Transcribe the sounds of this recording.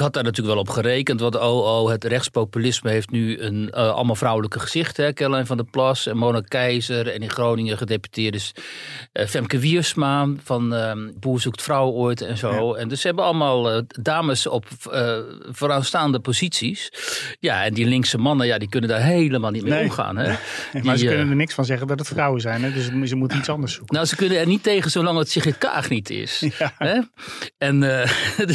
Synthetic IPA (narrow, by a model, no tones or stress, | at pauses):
ɪkhɑt̚daːrnatyːləkʋɛlˠɔpχərejkəntʋɔntoːoːɦətrɛxtspowpylɪsməɦeːftnyənɑ̰lˠəmalˠfrawləkəχəz̥ɪxtəɦɛkɛlɛjnfɔndəplɔsɛnmoːnakɛjzərɛniχrownɪŋəχədepy̥tɪːrdəs | fɛmkəʋismanfɔnəbuːsuktfrawojtɛ̰nzoːɛndøsəɦɛbənɑlˠəmalˠdaːməsɔpə | foːɾaːnstaːndəpozitsisjaɛndilɪŋksəmɑnəjadikønəndaːɹɦejləmaːlˠnit̚mejomχa̰ːnɦɛdimazəønənənɪksfɑnzɛɣəndɔtətfrawəzɛjnɛdøssəmutənitsɑndəɹsukənawsəkønənɛrniteːχənsolɑŋətsiχɪtka̰ːχnitʰɪ̰sɦɛɛn